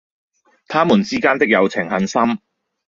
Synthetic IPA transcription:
t̪ʰaː˥muː˨˩nt͡siː˥kaː˥nt̪ɪ˥k̚jɐ˨˧wt͡sʰɪ˨˩ŋhɐ˨˥nsɐ˥m

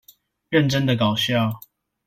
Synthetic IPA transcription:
ɻə˥˨nʈ͡ʂə˦ŋd̪ə˨kɑ˨˩ʊɕjɑ˥˨ʊ

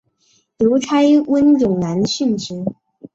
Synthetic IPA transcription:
ljo˧˥ʊʈ͡ʂʰa˥ɪwə˥njʊ˨˩ŋna˧˥nɕy˥˩nʈ͡ʂɻ̩˧˥

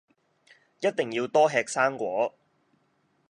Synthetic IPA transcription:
jɐ˥t̚t̪e˨˩ŋjiː˧wt̪ɔː˥ɦɛː˧k̚saː˥ŋkʷɔː˨˥

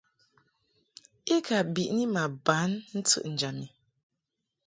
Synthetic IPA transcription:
i˦ka˨bi˨ʔni˦ma˨ba˨˦nn̩˦t͡sɨ̰˦ʔn̩˨d͡ʒa˨mi˨

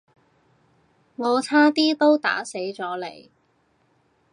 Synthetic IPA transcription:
ŋɔː˨˧t͡sʰaː˥t̪iː˥t̪o˥wt̪a̰ː˨˥se˨˥jt͡sɔː˨˥le˨˩j

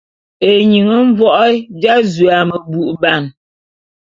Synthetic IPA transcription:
e˨ɲi˨ŋə˦ɱ˦vwɔ˦ʔd͡ʒa˦zɥa˨mə˨bu˨ʔba˦˨n

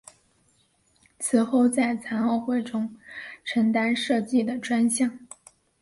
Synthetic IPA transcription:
t͡sʰɹ̩˨˩xo˥˧ʊt͡sa˥˩ɪt͡sʰa˧˥nɔ˥˧ʊxwe˥˩ɪʈ͡ʂʊ˥ŋʈ͡ʂʰɤ˧˥ŋt̪a˥nʂɤ˥˧t͡ɕi˥˩d̪ə˩ʈ͡ʂwa˥nɕjɑ˥˩ŋ

